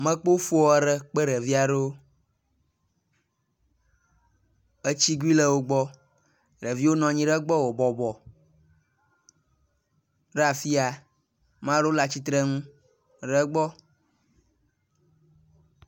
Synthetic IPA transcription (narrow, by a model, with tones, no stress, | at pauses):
mɛ̃˦k͡po˦fo˦ɔ˨ɛ˦ɖɛ˦k͡pe˦ɖɛ˨vi˦a˨ɖo˦ | ə˦t͡ɕi˦ɡu˦i˦lɛ˦wo˦ɡ͡bɔ˦ | ɖɛ˨vi˦wo˦nɔ̃˨ɲĩ˦ɖɛ˦ɡ͡bɔ˦wo˨bɔ˨bɔ˨ | ɖa˨fi˦a˨ | mã˦ɖo˦la˨t͡ɕi˦t̪ɾɛ˦ŋũ˦ | ɖɛ˦ɡ͡bɔ˦